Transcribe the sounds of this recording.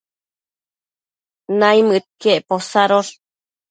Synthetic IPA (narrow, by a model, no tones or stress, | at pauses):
najmɨt̪̚keʔposaɾoɾ